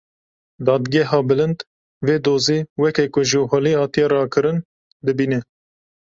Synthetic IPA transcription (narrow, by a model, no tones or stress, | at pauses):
d̪ɑːd̪ɡɛɦɑːbɨlɨnd̪ | veːd̪oːziːwɛkɛkʊʒəɦolihɑːt̪ijɛrɑːkʰɨɾɨn | d̪ɨbiːnɛ